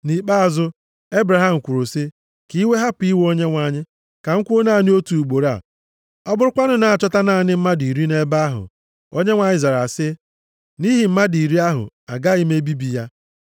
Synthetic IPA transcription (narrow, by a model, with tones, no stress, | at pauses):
ni˨k͡pa˦a˨zʊ˦ | e˦bɾa˨ɦa˦˨m̩˨kʷu˨ɾo˨sɪ˦ | ki˦we˦ɦa˦pi˦wo˦ɲe˦ŋʷa˨ɲɪ˦ | ka˨ŋ̩˦kʷo˦na˦˨nɪ˦o˦tu˨u˨ɡ͡bo˨ɾa̰˨ | ɔ˦bʊ˦ɾʊ˦kʷa˦nʊ˦na˨a˨t͡ʃɔ˦ta˦na˦˨nɪ˦m̩˦ma˦di˨ɾi˦ne˦ba˦a˦ɦʊ̰˨ | o˦ɲe˦ŋʷa˨ɲɪ˦za˨ɾa˨sɪ˦ | ni˦ɦi˨m̩˦ma˦di˨ɾi˦a˦ɦʊ̰˨ | a̰˨ɡa˦i˦me˦bi˦bi˨ja˦